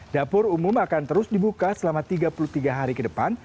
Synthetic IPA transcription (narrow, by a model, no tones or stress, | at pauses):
dapʊrumumakant̪əɾʊsdibukasəlamat̪iɡapulut̪iɡaɦaɾikədəpan